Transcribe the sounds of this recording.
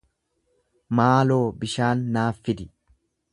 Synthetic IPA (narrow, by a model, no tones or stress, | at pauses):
maːloːbɪʃaːnːaːfːɪd̪ɪ